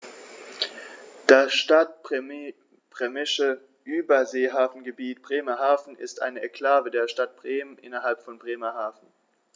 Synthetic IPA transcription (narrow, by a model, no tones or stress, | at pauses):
d̥asʃtat̚ | b̥ʁ̥ɛmɪʃə | ʔyːbɐzeːɦaːfn̩ɡəbiːtb̥ʁeːmɐɦaːfn̩ɪ̰stʔa̰ɪnəʔɛkl̥aːvədeːɐʃtat̚b̥ʁeːmənʔɪ̰nɐɦalpfɔnbʁeːmɐɦaːfn̩